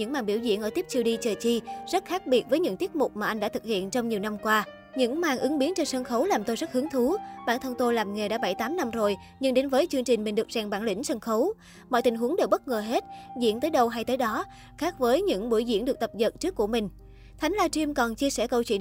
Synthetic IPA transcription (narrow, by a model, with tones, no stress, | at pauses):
ɲɨ̰˧˥ŋmaː˨˩ŋɓi˧˩wzḭ˧˨ənʔəː˧˩t̪i˦˥əp̚t͡ɕʰi˧wɗi˧t͡ɕəː˨˩t͡ɕi˧zə˦˥t̚xaː˦˥k̚ɓi˨˩ət̚vəː˨˦jɲɨ̰˧˥ŋt̪i˦˥t̚mʊ˨˩k͡p̚maː˨˩ʔa˧jŋɗa̰ː˧˥t̪ʰɨ˨˩k̚hḭ˧˨ənt͡ɕɔ˧wŋ͡mɲi˨˩əwna˧mkwaː˧ | ɲɨ̰˧˥ŋmaː˨˩ŋʔɨ˨˦ŋɓi˨˦ənt͡ɕɔ˧nsə˧nxə˨˦wlaː˨˩mt̪o˧jzə˦˥t̚hɨ˨˦əŋt̪ʰu˨˦ɓaː˧˩nt̪ʰə˧wŋ͡mt̪o˧jlaː˨˩mŋe˨˩ɗa̰ː˧˥ɓa˧˩jt̪aː˨˦mna˧mzo˨˩j | ɲɨ˧ŋɗe˨˦nvəː˨˦jt͡ɕɨ˧ŋt͡ɕï˨˩ŋ̟mi˨˩ŋɗɨ˨˩ək̚zɛ˨˩ŋɓaː˧˩nlḭ˧˥ŋ̟sə˧nxə˨˦w | mɔ̰˧˨jt̪ï˨˩ŋ̟ɦu˨˦əŋɗe˨˩wɓə˦˥t̚ŋəː˨˩ɦe˦˥t̚zḭ˧˥ənt̪əː˨˦jɗə˧wɦa˧jt̪əː˨˦jɗɔ˨˦ | xaː˦˥k̚vəː˨˦jɲɨ̰˧˥ŋɓu˧˩əjzḭ˧˥ənɨ˨˩ək̚t̪ə˨˩p̚zə˨˩t̚t͡ɕɨ˦˥əkːu˧˩əmï˨˩ŋ̟ | t̪ʰa˨˦ŋlaː˧t͡ɕi˧mkɔ˨˩nt͡ɕi˧əsɛ̰˧˩kə˧wt͡ɕwḭ˧˨